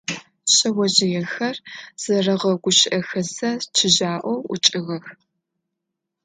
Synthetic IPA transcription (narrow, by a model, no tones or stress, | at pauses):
ɕɐwɐʑɪjɛxɐrz̥ɐrɐʁɐɡʷʊʃɪʔɐxɐsɐt͡ʃʰɪʑaːʔʷɔwʊ̰t͡ʃʼɪɣɐx